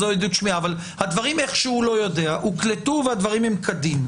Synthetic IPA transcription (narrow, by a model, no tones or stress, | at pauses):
ojed̪ut̪ʃmiaːval | had̪vaʁimeχʃehulo̞jo̞d̪e̞aʔhuklet̪uvehad̪vaʁimhemkʰad̪im